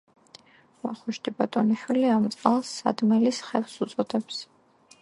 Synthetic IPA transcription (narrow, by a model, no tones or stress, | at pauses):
va̰χuʃd̪ʼibat̪ʼɔniʃwiliamt̪sʼqʼalˠsːa̰d̪mɛlisχɛlsut̪sʼɔd̪ɛps